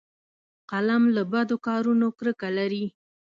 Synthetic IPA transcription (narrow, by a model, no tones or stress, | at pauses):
qalamlabad̪okɑɾunokɾəkalaɾi